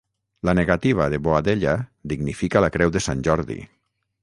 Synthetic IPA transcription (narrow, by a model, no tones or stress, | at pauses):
laneɣat̪iβ̞aðeβoad̪eʎaðiɡnifikalakɾɛwðesanʲʒɔɾðḭ